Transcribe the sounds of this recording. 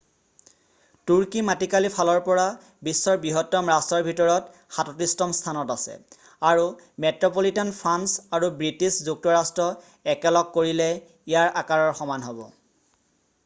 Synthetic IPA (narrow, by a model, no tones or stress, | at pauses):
tuɹkimatikalipʰalɔɹpɔɹa | bisːɔɹbiɦɔtːɔmɹastɔɹbʱitɔɹɔt | xatɔtistɔmstʰanɔtasɛ̰ | aɹu | mɛtɹɔpolitɔnpʰɹansaɹubɹitiszuk̚tɔɹastɹɔ | ɛkɛlɔkːoɹilɛ | ijaɹʔakaɹɔɹxɔmanɦobɔ̰